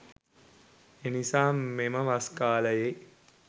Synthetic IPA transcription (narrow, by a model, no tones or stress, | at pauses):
enisaːmeməʋaskaːləje